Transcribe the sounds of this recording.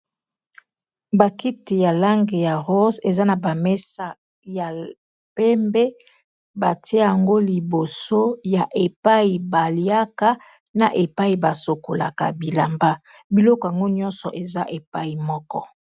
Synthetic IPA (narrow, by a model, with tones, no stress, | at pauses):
ba˨ki˦ti˨ja˨la˦ŋɡe˨ja˨ʁo˦se˨za˦na˨ba˨mɛ˦sa˨ | ja˨ | pɛ˦mbe˦ | ba˨ti˦˨a˨ŋɡo˦li˨bo˨so˦ja˨ʔe˨pa˦i˨ba˨li˦a˦ka˦ | na˨ʔe˨pa˦i˨ba˨so˨ko˨la̰˨ka˨bi˨la˨mba˦ | bi˨lɔ˦kɔ˨a˨ŋɡo˦ɲɔ˦nsɔ̰˨ʔe˨za˦ʔe˨pa˦i˨mɔ˦kɔ˦